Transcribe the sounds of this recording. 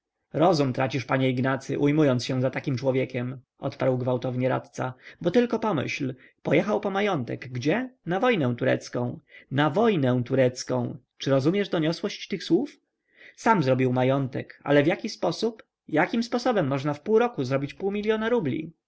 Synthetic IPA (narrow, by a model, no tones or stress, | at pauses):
ɾɔzumt̪ɾat͡ɕiʂpaɲɛiɡnat̪sɘ̰ʔujmujɔnsɕɛ̃zat̪akʲimt͡ʂwɔvʲjɛkʲɛm | ʔɔ̰t̪paɾwɡvawt̪ɔvɲɛɾa̰t̪t̪sa̰bɔt̪ɘlkɔpɔmɘ̰ɕl | pɔjɛxawpɔmajɔnt̪ɛ̰ɡɡːd͡ʑɛnavɔjnɛ̃w̃t̪uɾɛ̰t̪skɔ̃w̃navɔjnɛ̃t̪uɾɛt̪skɔ̃w̃ | t͡ʂɘɾɔzumʲjɛʐd̪ɔɲɔswɔɕt͡ɕt̪ɘxswuf | samzɾɔbʲiwmajɔnt̪ɛka̰lɛvjakʲispɔsup | jakʲimspɔsɔbɛmːɔʐnafpuwɾɔkuzɾɔbʲit͡ɕpuwmʲilʲjɔnaɾublʲḭ